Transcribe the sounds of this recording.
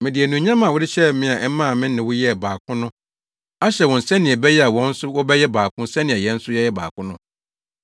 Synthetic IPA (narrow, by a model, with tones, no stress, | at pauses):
mɪ̃˨dɪ˨ɛ˨nũ˨ɲã˦mã˨wʊ˦dɪ˦ɕɛ˦˨m̩˦mɪ̃˦a˨ʔɛ˦mã˦˨mɪ̃˦nɪ̃˨wʊ˦jɛ˦˨baː˨kʰʊ̃˦nʊ̃˦ | a˦ɕɛ˨wɔ̃˨n̩˨sɛ̃˦nɪ̃˨ɛ˨bɛ˦jɛ˦a˨wɔ̃˦n̩˦sʊ˦wɔ˦bɛ˦jɛ˦baː˨kʰʊ̃˦n̩˦sɛ̃˦nɪ̃˨ɛ˨jɛ̃˦n̩˦sʊ˦jɛ˦jɛ˦ba̰ː˨kʰʊ̃˦nʊ̃˦